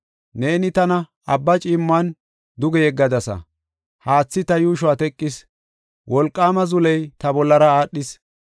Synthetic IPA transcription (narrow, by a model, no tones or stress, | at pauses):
ne̞ːnɪt̪ɐnɐ | ɐbːɐt͡ʃʼiːmːan | d̪ʊɡɛjɛɡːɐd̪ɐsɐ̰ | haːt͡sːɪt̪ɐjuːʃʊwaːt̪ɛkʼːɪs | wʔɔlkʼːaːmɐzʊlɛjt̪ɐbɔlːɐɾɐaːɗːɪs